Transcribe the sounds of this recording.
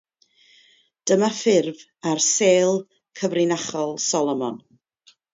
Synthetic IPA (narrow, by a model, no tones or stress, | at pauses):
d̥əmafɪrv | arseːlˠ | kʰəvrɪnaχɔlˠsɔlˠɔmɔn